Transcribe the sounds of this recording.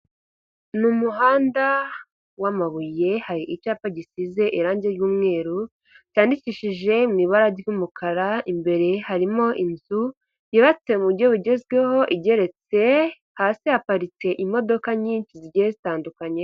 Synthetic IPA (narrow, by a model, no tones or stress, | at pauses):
numuɦaːnda | wamaβuje̞haɾiʔit͡ʃaːpaɟisize̞ʔiɾaːɲɟeɾɟuːmŋe̞ːɾu | caːndiciʃiʒe̞mŋiːβaɾaɾɟumukʰaɾaimbe̞ɾe̞haɾimo̞ʔinzu | jiβat͡se̞muβɾjo̞βuɟe̞zɡwe̞ho̞ʔiɟe̞ɾe̞t͡se̞ | haːsihapaɾit͡se̞ʔimo̞do̞kaɲiːɲt͡ʃiziɾɟejezitaːndukaɲe